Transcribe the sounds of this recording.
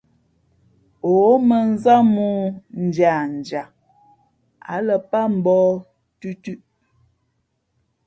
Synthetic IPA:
o˨˦mə˨n˦za˦mu˦n̩˨d͡ʒja˨n̩˨d͡ʒa˨ | a̰˨˦lə˨pa˦m̩˨bɔ˦ | tʉ˦tʉ˦ʔ

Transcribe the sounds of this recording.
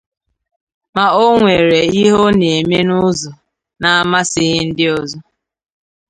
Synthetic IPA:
ma˨o˦ŋʷe˨ɾe˨i˦ɦo˦ne˨e˨me˦nʊ˦zʊ˨ | na˨a˦ma˦sɪ˦ɦɪ˦n̩˦dɪ˦ɔ˨zɔ˦

